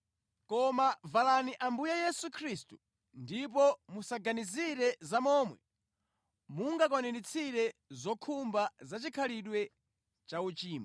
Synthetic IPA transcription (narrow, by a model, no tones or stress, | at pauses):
kɔmavalaniʔambujɛjɛsukʰɾistu | ndip̬ɔmusaɡaniziɾɛzamɔːmwɛ | muŋɡak̬ɔnɛnit͡sʰiɾɛzɔkʰumbazat͡ʃikʰaliɗwɛ | t͡ʃaut͡ʃiːma